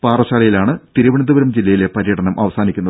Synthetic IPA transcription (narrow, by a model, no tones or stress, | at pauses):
paːrɐɕaːɭɐjilaːɳɨt̪iɾɐʋiɳɐnd̪ɐʋɐɾɐmd͡ʑilːɐjile̞pɐɾjɐɽɐnɐmʔɐʋɐsaːnikʲːunːɐð